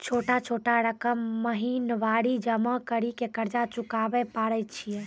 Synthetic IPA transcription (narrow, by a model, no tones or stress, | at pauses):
t͡ʃʰoʈat͡ʃʰoʈaɾəkəmːəɦinʋaɽid͡ʒəməkəɾikekəɾd͡ʒat͡ʃukabɛpaɽɛt͡ʃʰijɛ